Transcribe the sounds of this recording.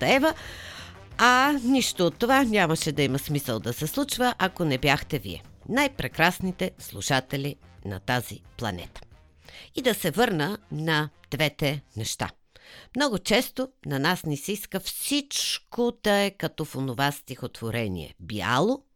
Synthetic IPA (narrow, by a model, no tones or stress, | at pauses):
t̪ɛvə | aniʃt̪oːt̪ːovanʲaməʃɛd̪ɐimɐsmisəlˠd̪ɐsɛslˠut͡ʃvəʔɐkonɛbjaxt̪ɛvḭɛ̰najpɾɛkɾasnit̪ɛslˠuʃat̪ɛlinɐ̰t̪aziplˠɐ̰nɛ̰t̪ə̥ | id̪ɐsɛvɤɾnənɐd̪̥vɛt̪ɛnɛʃt̪a̰ | mnɔɡʊt͡ʃɛst̪onɐnasnisiskəfsit͡ʃkod̪ɐɛkɐt̪ɔfonʊvast̪ixot̪v̥oɾɛnʲḭɛ̰bia̰lˠo